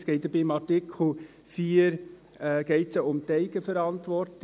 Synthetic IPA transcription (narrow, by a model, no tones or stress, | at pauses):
sɡ̥ɛɪt̚d̥əbimɑɾtikʰl̩ | fiːəɾ | ɡ̥ɛɪtsoʊmtɛɪɡ̥əfəɾɑntʋɔɾt